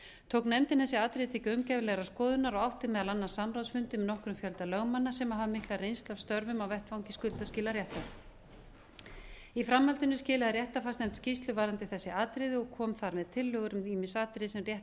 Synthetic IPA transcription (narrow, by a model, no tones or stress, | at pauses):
t̪ʰowknɛmt̪ɪnθɛsːɪaːt̪ɾɪðt̪ʰɛcœɥmcavɪlɛɣɾaskɔːðʏnaɾɔɣawht̪ɪmɛðalanːḁsamɾawsfʏnt̪ɪmɛnɔhkɾʏmfjœlt̪alœːɣmanːasɛmaɦavamɪhklarejnst̪lavst̪œɾvʏmawvɛht̪vawŋcɪskʏlt̪ascɪːlaɾjɛht̪a | ifɾamːalt̪ɪnʏscɪːlaðaɾjɛht̪afastnɛm̥t̪scist̪lʏvaːɾant̪ɪθɛsːɪaːt̪ɾɪðɪɔkʰɔːmθaɾmɛðt̪ʰɪlːœːɣʏɾʏmiːmɪnsaːt̪ɾɪðsɛmrjɛht̪